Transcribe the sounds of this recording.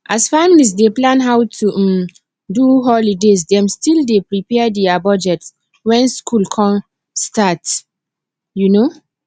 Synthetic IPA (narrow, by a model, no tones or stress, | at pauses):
ʔasfamilis̬deplãnɦawtʰum | duɦɔlides̬dɛ̃mstildepɹipɛadɛabɔd͡ʒɛts | wɛ̃nskʰulkʰɔ̃m | stat | juno